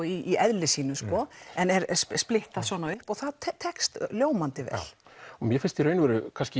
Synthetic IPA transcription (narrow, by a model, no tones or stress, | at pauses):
iːɛðlɪsiːnʏskɔɛnɛɾsplɪht̪aðsɔːnaʏhpɔɣθaðt̪ʰɛt̪ʰɛkst̪ljoːwmant̪ɪvɛ̰lɔmjɛfɪnst̪iɾœːɥnɪvɛɾʏkʰanscɪ